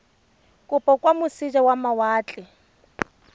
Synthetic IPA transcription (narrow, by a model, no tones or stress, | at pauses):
kʼʊpʼɔkʼwamʊsid͡ʒawamawaːt͡ɬʼɪ